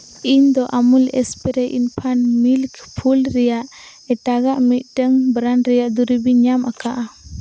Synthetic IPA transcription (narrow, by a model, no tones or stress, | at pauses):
iɲd̪ɔʔamulɛspɛɾɛʔinpʰanmilkpʰulɾɛjaʔ | ɛʈaɡaʔmit̪̚ˀʈəŋbɾanɾɛjaʔd̪uɾibiɲamakaʔa